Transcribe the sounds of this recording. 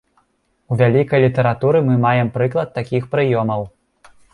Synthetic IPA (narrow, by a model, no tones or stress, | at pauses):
uvʲalʲikɐjlʲit̪ɐɾat̪uɾɨmɨmajɛmpɾɨklˠɐt̪ːakʲixpɾɨjɔmɐw